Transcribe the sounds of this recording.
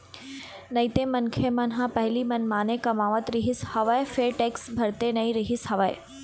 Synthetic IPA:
nɐit̪ẽmɐnkʰemɐnɦãpɐɦɪlimɐnmaːnekɐmaːʋət̪ɾɪɦɪshɐʋaːefeːʈeːksbʱɐɾt̪enɐĩɾɪɦɪsɦɐʋaḛ

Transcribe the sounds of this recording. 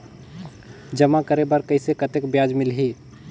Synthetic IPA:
d͡ʒəmakəɾebəɾkəɪsekət̪ekbjad͡ʒmilɦi

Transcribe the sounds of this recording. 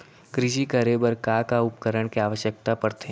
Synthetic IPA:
kɾɪʃikəɾebəɾkakaʊp̚kəɾəɽ̃keaːʋəʃjək̚t̪apəɾt̪ʰe

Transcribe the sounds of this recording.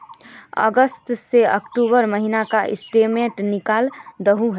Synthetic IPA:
ə̰ɡəst̪seə̰kʈubəɾməɦinakaʔḭsʈemẽʈnikald̪əɦuɦ

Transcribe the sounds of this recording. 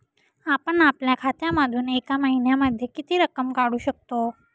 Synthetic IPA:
apəɳapljakʰat̪jãmad̪ʱuneekaməɦinjaməd̪ʱːjekit̪iːɾəkəmkaɽuɕək̚t̪o

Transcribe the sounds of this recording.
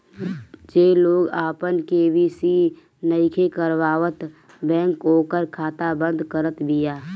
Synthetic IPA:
d͡ʒeːloːɡaːpənkeːbiːsi | nəɪkʰekəɾʋaːʋət̪ | bɛ̃ːŋkoːkəɾkʰaːt̪abə̃nd̪ʱkəɾət̪bɪjaː

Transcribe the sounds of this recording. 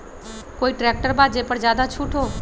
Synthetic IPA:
koːiːʈɾɛːk̚ʈəɾbaːd̪̚d͡ʒeːpəɾzjaːd̪at͡ʃʰuːʈʰoː

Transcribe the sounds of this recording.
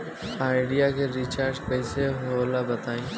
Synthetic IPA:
aːɪɖijakeɾit͡ʃaːɾd͡ʒpəɪseɦoːlabət̪aːĩː

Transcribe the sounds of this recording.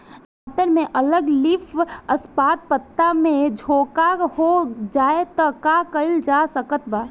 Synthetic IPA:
t͡ʃat̪əɾmẽʔələɡlɪpʰəspaːt̪̚pət̪ːamẽd͡ʒʱoːkahod͡ʒaːet̪əkakəɪld͡ʒasəkət̪baː

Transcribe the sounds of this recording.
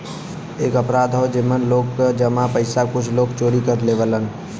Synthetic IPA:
eːkəpɾaːd̪ɦod͡ʒɪmːənloːɡ̚kəd͡ʒəmapəɪsakʊt͡ʃʰloːɡt͡ʃoːɾikəɾt̪leːʋələn

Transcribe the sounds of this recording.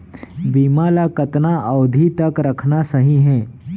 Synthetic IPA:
biːmaːlakɐt̪naʔəʊd̪ʱit̪ɐkɾɐkʰnasɐɦiɦɛ̃ː

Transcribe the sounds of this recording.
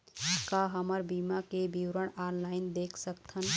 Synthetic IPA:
kaɦəməɾbiːmakebiwɾəɽ̃aːnlaːɪnd̪eːkʰsəkt̪ʰən

